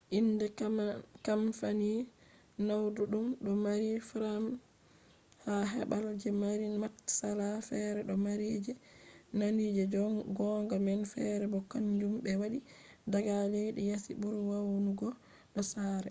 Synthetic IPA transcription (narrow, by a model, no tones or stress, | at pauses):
ʔindɛkamfani | nawduɗumɗɔmaɾifɾam | haɦɛɓald͡ʒɛmaɾimatsalafɛɾɛɗɔmaɾid͡ʒɛnanid͡ʒɛɡɔŋɡɔmɛnfɛɾɛbɔkːaɲd͡ʒumbɛwaɗi | daɡaleɗijasḭbuɾwawnuɡɔ | ɗɔsaːɾɛ